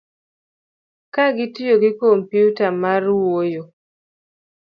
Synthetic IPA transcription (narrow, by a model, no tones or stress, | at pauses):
kaɡɪtɪjoɡɪkompjutamaɾwojo